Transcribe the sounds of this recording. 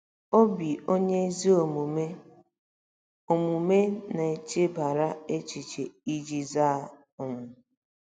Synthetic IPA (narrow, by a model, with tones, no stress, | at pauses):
o˦bi˨o˦ɲe˦zi˦o˨mu˨me˦ | o˨mu˨me˦na˨e˨t͡ʃe˦ba˨ɾa˦e˦t͡ʃi˨t͡ʃe˨i˦d͡ʒi˦za˦˨ | ʊ˨ŋʊ˨